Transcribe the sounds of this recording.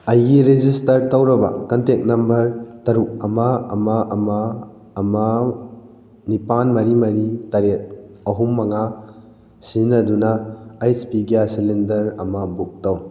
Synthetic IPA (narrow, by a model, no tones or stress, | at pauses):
ɐjɡiɾed͡ʒistɐɾtɐwɾɐba̰kɐntek̚nɐmbɐɾtɐɾuk̚ɐmaɐmaʔɐmaː | ma | nipanmɐɾimɐɾitɐɾet̚ | ɐɦumːɐŋa | sinɐdunɐːjspiɡijasilendɐɾɐmɐbuk̚taw